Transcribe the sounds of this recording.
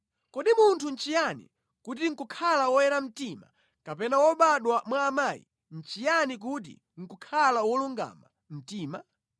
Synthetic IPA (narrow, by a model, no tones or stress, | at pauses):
kɔɗimuntʰun̩t͡ʃijanḭ | kut̬iŋ̩kukʰalawɔjɛɾam̩tima̰ | kapɛnawɔɓaɗwamwaːmaːḭ | n̩t͡ʃijanik̬ut̬ḭ | ŋ̩kukʰalawɔluŋɡa̰ma | m̩tiːma̰